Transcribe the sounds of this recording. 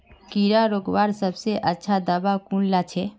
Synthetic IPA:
kiːɾaɾoːɡʋaːɾsəbseʔətːʃʰad̪abakuːnlat͡ʃʰe

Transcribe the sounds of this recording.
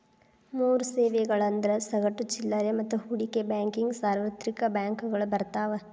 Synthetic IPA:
muːɾuseːʋeɡɐɭɐnd̪ɐɾɐsɐɡɐʈːut͡ʃilːɐɾemɐt̪ːuhuɽikebaːŋkiŋɡsaːɾʋɐt̪ɾikɐbaːŋkuɡɐɭubɐɾt̪aːʋɐ

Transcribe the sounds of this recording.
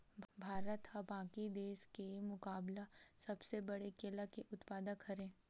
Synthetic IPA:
bʱaːɾət̪hɐbãːkid̪eːʃkemʊkaːblasɐbsebɐɽekeːlakeʔʊt̪paːd̪əkʰɐɾẽː

